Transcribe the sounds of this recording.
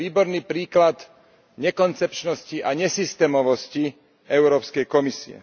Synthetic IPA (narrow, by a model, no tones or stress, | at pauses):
iːbɔɾniːpɾiːklad̪ | ɲɛkɔnt͡sɛpt͡ʃnɔsciʔaɲɛsist̪ɛːmɔʋɔsci | ɛʊɾɔːpskɛjkɔmisḭɛ̰